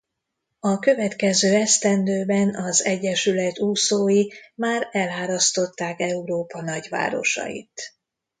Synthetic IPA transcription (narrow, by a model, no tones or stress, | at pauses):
ɒkø̞vɛt̪kɛzøːɛst̪ɛnd̪øːbɛnɒzɛɟːɛʃylɛt̪uːsoːjimaːɾɛlaːɾɒst̪o̞t̪ːaːkɛuɾoːpɒnɒɟʋa̰ːɾo̞̰ʃɒ̰jḭt̪